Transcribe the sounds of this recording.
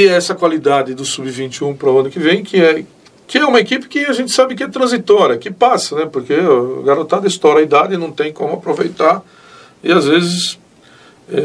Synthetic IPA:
ɪɛsɐkwalid̪ad̪ɪd̪ʊsubɪvĩnt͡ʃ̪ɪũpɾɐɐ̃nʊkɪvẽj̃kɪɛ | kɪɛũmɐekipɪ̥kɪaʒẽnt̪ɪ̥sabɪkɪɛt̪ɾɐ̃zit̪ɔɾjɐkɪpasɐnɛpoɾkeɡaɾot̪ad̪ɪst̪ɔɾɐid̪ad̪ɪnɐ̃w̃t̪ẽj̃kõmʊapɾovejt̪aɾ | ɪazvezɪs | ɛ

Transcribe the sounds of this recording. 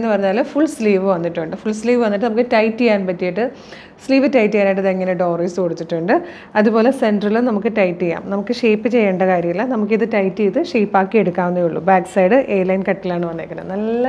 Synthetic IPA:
enːɨpɐrɐɲːaːlɨfuɭsliːʋɨʋɐnːiʈːuɳɖɨfuɭsliːʋɨʋɐnːiʈːɨnɐmukːɨtɐjtːijaːnpɐtːijiʈːɨ | sliːʋɨtɐjtːijaːnajiʈːɐðiŋːɐneɖo̞ːriːsɨkoɽut̪ːiʈːuɳɖɨ | ɐðupo̞ːle̞se̞nɖrɐlunɐmukːɨʈɐjtːija̰ːmnɐmukːɨʂeːpːɨt͡ɕe̞jːeːɳɖɐkaːɾjɐŋilɐnɐmukːiðɨtɐjtːiiðɨʂeːpːaːkːie̞ɽukːaːʋunːɐjuɭːṵbaːksɐjɽɨʔe̞ːɐlɐjnkɐʈːɐlaːɳɨʋɐnːekːɐnɐ̰mnɐlːɐ

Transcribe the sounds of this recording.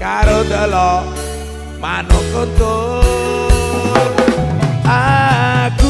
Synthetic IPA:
kaɾod̪əlɔ | manokot̪o | aku

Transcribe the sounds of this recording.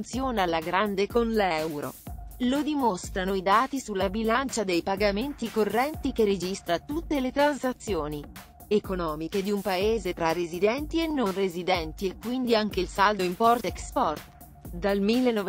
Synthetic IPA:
t̪sjoːnalaɡɾand̪ekonlɛwɾo̰lod̪imost̪ɾanoid̪aːt̪isulːabilant͡ʃad̪ejpaɡament̪ikorːɛnt̪ikered͡ʒist̪ɾat̪ut̪ːelet̪ɾansat̪sːjoːni | ekonɔːmiked̪iumpaeːzet̪ɾarezid̪ɛnt̪ienːonrezid̪ɛnt̪iekːwind̪iaŋk̟eilsald̪oimpɔrt̪ekspɔrt̪ | d̪almilːenːɔ

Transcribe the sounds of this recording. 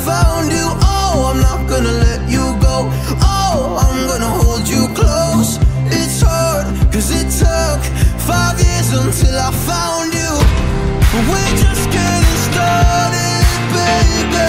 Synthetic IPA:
fãʊ̃nd͡ʒəʔoʊãɪ̃mnət̚ɡ̥ʌnəlɛt͡ʃəɡoʊ | ʔoʊ | ãɪ̃mɡʌnəhoʊlˠd͡ʒəkʰl̥oʊs | ɪtshɑɹd̚kʰʌzɪtʰʊ | k | faɪvjɪzə̃ntʰɪlˠaɪ̥fãʊ̃nd͡ʒə̥ | ʌwɪd͡ʒʌsɡ̥ɛ̃ | nɨstɑɹɾɪ | be | b

